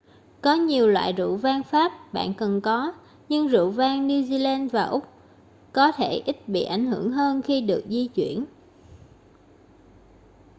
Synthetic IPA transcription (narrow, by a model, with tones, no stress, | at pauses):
kɔ˨˦ɲi˨˩əwlwa̰ː˧˨jzṵ˧˨vaː˧ŋfaː˦˥p̚ɓa̰ː˧˨nkə˨˩nkɔ˨˦ | ɲɨ˧ŋzṵ˧˨vaː˧ŋni˧zi˧laː˧nvaː˨˩ʔʊ˦˥k͡p̚ | kɔ˨˦t̪ʰe˧˩ʔi˦˥t̚ɓḭ˧˨ʔa˧˩jŋ̟hɨ˧˩əŋɦəː˧nxi˧ɗɨ˨˩ək̚zi˧t͡ɕwi˧˩˨ən